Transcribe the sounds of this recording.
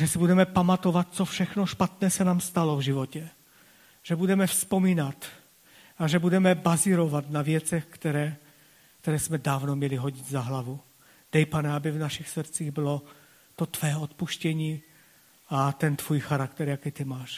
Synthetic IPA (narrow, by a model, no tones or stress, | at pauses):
ʒɛsɪbudɛmɛpamat̪ovat̪̚t͡sofʃɛxnoʃpat̪nɛːsɛnaːmst̪alovʒɪvocɛ | ʒ̥ɛbudɛmɛfspomiːnat̪ | aʒɛbudɛmɛbaziɾovat̪navjɛt͡sɛxkt̪ɛɾɛː | kt̪ɛɾɛːsmɛdaːvnomɲɛlɪɦoɟit̪zaɦlavu | d̥ɛjpanɛabɪvnaʃixsr̩t͡siːɣbɪlo | t̪ot̪vɛːot̪puʃcɛɲiː | ʔat̪ɛnt̪vuːjxaɾakt̪ɛɾjakiːt̪ɪmaːʃ